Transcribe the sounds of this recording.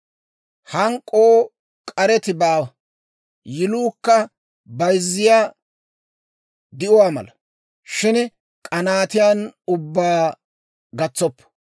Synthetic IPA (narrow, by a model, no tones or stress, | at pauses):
hɐŋkʼːoː | kʼɐɾɛt̪ɪbaːwɐ | jɪluːkːɐ | bɐjzːɪjaː | d̪ɪʔʊwaːmɐ̰lɐ | ʃɪn | kʼɐnaːt̪ɪjanʊbːaː | ɡɐt͡sːɔpːɔ̥